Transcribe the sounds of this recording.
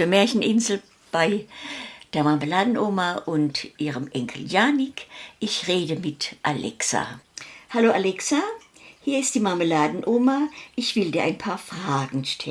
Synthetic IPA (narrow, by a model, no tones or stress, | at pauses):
fuːɐmɛːɐçn̩ʔɪnzl̩ | b̥aɪ | d̥eːɐmaməlaːdn̩ʔoːmaʔʊntʔiːʁəmʔɛŋkʰl̩jaːnɪkʔɪçʁeːdəmɪtʔalʔɛ̰ksa̰haloːalɛksa | hiːɐɪstd̥iːmaməlaːdn̩ʔoːmaʔɪçv̥ɪldiːɐʔa̰ɪnpʰaːɐfʁ̥aːɡŋ̩ʃtʰɛ